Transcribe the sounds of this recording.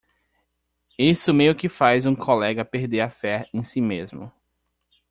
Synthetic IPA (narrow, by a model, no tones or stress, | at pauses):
isʊmejʊkɪfajzũkʰolɛɡɐpeɾd̪eɾɐfɛẽj̃simezmʊ